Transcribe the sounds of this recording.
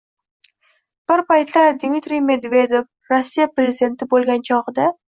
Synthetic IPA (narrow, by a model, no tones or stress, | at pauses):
b̥ɪɾpajt̪laɾd̪mit̪ɾijme̞d̪ve̞d̪e̞f | ɾosːijapɾʲezɪd̪e̞nt̪ʰɪbolˠɡʲant͡ʃʰɒʁɨd̪a